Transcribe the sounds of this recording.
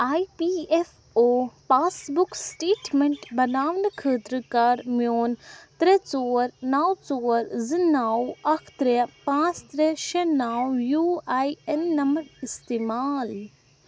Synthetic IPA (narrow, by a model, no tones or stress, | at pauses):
aːjpiːef | oːpaːsbuksʈeːʈmeɳʈbɐnaːʋnɨkʰəːt̪ɾɨkaɾmjoːnt̪ɾet͡soːɾnaːwt͡soːɾzɨnaːwɐkʰt̪ɾepãːt͡st̪ɾeʃenaːwjuːaːjenːɐmɾist̪eːmaːl